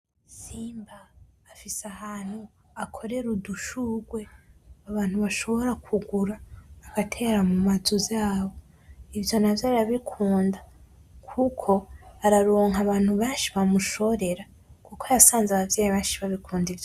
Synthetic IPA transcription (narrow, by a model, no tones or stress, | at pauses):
siːmbaː | fisahaːn̥hu | akʰo̞ɾe̞ɾuduʃuːɡwe̞aβaːn̥huβaʃo̞βo̞ɾakʰuɡuɾaːɡ̥atʰe̞ːɾamumazuzaːβo̞ | ivjo̞navjaːɾaβikʰuːnda | kʰukʰo̞aɾaɾoːŋɦaβaːn̥huβeːnʃiβamuʃo̞ɾe̞ɾa | kukoajasaːnzaβavjaːjiβeːnʃiβaβikʰuːndivjo